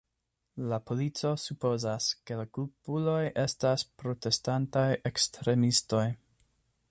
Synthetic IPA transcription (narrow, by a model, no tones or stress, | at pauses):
lapo̞lit͡so̞supo̞zaske̞lakulpulo̞jʔe̞staspɾo̞te̞stantajʔekstɾe̞misto̞j